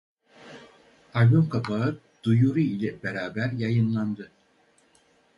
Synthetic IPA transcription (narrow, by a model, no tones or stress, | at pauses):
alʲjomkʰapʰaɯ | d̪̥ujuɾuilʲɛbeɾaːbæɾjajɯnlˠand̪ɯ